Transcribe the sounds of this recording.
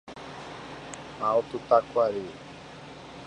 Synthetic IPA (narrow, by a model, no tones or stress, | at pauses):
aot̪ut̪akwaɾi